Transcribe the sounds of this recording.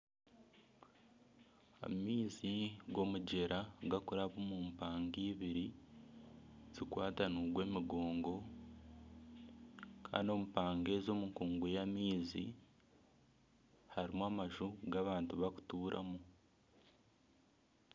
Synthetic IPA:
a̰miːziɡo̞muɟe̞ɾaɡakuɾaβumuːmpaːŋɡiːβiɾi | z̥ikwaːtanuɡwe̞ːmiɡo̞ːŋɡo̞ | kʰa̰ːndio̞mupaːŋɡe̞ːzo̞muŋkuːŋɡejamiːzi | haɾimamaʒuɡaβaːntuβaku̥tuːɾʔa̰mu

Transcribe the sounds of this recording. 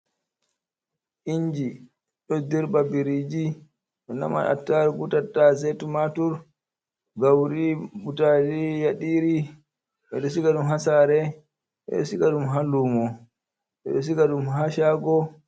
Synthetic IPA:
ʔiɲd͡ʒi | ɗɔdiɾbabiɾid͡ʒi | ɗɔna̰ma̰na̰tːaɾɡutatːazɛtumatuɾ | ɡawɾibutalijaɗiɾi | ɓɛɗɔsikaɗumɦasaɾɛ | ʔɛ̰ɗɔsikaɗumɦalumɔ | ɓɛ̰ɗɔs̬iɡaɗumɦaʃaɡɔ

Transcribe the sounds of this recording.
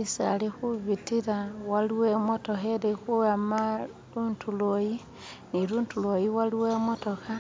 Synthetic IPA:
isalixuβitiɾawaluwemotoheɾexuɣama | ɾuntuloji | niɾuːntulojiwaliwemotoka

